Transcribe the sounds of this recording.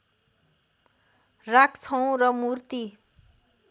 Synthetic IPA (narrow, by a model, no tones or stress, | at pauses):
rakt͡sʰʌw̃rʌmurt̪i